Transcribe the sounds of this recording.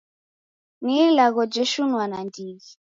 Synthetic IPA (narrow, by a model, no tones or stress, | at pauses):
nilaɣɔd͡ʒɛʃunwanandiɣi